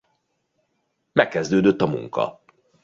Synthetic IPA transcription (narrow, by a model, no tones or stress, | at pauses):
mɛkːɛzd̪øːd̪øt̪ːɒmṵŋkɒ̰